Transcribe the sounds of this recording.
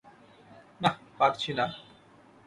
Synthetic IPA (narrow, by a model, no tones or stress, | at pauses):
napaɾt͡ɕʰina